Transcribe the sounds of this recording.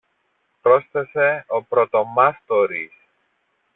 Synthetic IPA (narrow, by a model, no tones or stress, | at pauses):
pɾo̞sθese̞o̞pɾo̞t̪o̞mɐst̪oɾḭs